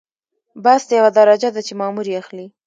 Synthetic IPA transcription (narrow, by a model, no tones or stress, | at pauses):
bast̪ajawad̪aɾad͡ʒad̪at͡ʃemɑmuɾiaxli